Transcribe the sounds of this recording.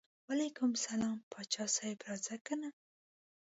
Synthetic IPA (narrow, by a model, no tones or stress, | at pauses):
walajkʊmsalɑmpʰɑt͡ʃɑsajpɾɑzakana